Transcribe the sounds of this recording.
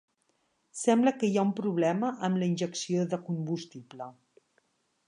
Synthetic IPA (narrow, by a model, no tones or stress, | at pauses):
sɛmbləkəiaumpɾuβlɛməʔəmləinʲʒəksioðəkumbust̪iplə